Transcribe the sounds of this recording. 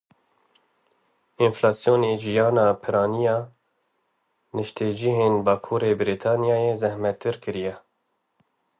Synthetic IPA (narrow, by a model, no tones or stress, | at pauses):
inflɑːsijoːneːʒijɑːnɑːpʰɨɾɑːnijɑː | nɨʃt̪ʰed͡ʒiɦeːnbɑːkʰuːɾeːbɨɾit̪ʰɑːnijɑːjezɛhmɛt̪ʰːɨɾkɨɾijɛ